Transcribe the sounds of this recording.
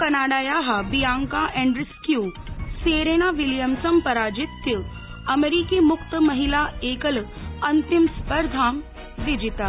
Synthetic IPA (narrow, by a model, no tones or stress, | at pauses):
kɐnaːɽaːjaːɦabijaːŋkaʔɛ̃ɳɖɾɪskjuːseːɾeːnaʋiljəmsɐmpɐɾaːd͡ʒit̪ːi | ɐmeɾiːkiːmʊkt̪əmɐɦilaeːkəlɐnt̪imspəɾd̪ʱaːm | d̪id͡ʒit̪a